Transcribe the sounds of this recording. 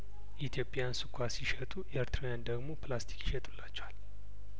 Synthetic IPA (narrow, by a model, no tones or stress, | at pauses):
ʔit̪ʰjo̞pʼjansɨkʷʼʰːasiʃɛt̪ʼuɛeɾt̪ʰɾejand̪əɡmo̞plast̪ʰi̥kʼjiʃɛt̪ʼulːat͡ʃːɛwal